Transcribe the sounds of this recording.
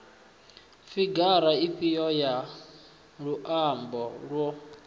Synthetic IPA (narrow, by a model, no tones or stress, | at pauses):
fiɡaɾaiɸijɔja | ɺuʔambɔɺwɔ